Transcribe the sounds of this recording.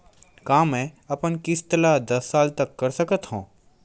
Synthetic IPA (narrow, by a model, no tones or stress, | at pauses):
kãːmɛ̃ːɐpənkɪst̪əlad̪ɐsːaːlt̪ɐkːɐɾsɐkət̪ɦũː